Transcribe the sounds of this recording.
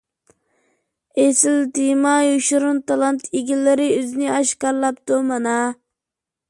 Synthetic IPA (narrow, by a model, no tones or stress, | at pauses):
esɪlt̪imɑjuʃɾunt̪ʰɑlˠɑnt̪ʰiɡʲilːɪɾɪøznɪɑʃqɑɾlˠɑpt̪umɑnɑ